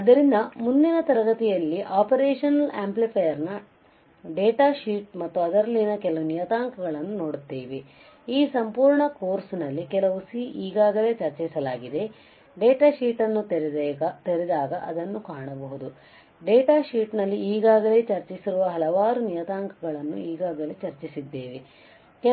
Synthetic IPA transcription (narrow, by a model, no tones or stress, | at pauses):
ɐd̪ɐɾind̪ɐmund̪inɐt̪ɐɾɐɡɐt̪ijɐlːiʔaːpɐɾeːʂɐnɐlaːmplipʰɐjɐɾnɐ | ɖeːʈaːʃiːʈ̚mɐt̪ːuɐd̪ɐɾɐlːinɐkɛlɐʋunijɐt̪aːŋkɐɡɐɭɐnːuno̞ːɽut̪ːeːʋe̞ | iːsɐmpuːɾɳɐkoːɾsnɐlːikɛlɐʋusiʔiːɡaːɡɐle̞ːt͡ʃɐɾt͡ʃɛjsɐlaːɡid̪e̞ | ɖeːʈaːʃiːʈɐnːu | t̪eɾid̪aːɡɐʔɐ̰d̪ɐnːukaːɳɐbɐɦud̪u | ɖeːʈaːʃiːʈnɐlːiiːɡaːɡɐle̞ːt͡ʃɐɾt͡ʃisiɾuʋɐɦɐlɐʋaːɾunijɐt̪aːŋkɐɡɐɭɐnːṵiːɡaːɡɐleːt͡ʃɐɾt͡ʃisid̪ːe̞ːʋe | kɛ